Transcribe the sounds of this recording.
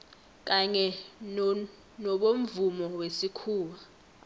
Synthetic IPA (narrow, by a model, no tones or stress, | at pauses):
k̬ʼaɲɛ | nɔɓom̩vumɔwesikʰuːwa